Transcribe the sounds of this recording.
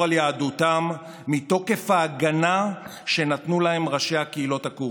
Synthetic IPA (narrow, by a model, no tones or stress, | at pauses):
aljaːdutamː | it̪o̞ke̞faːɡanaʃe̞natnulahe̞mʁaʃe̞jhakeilo̞t̪aku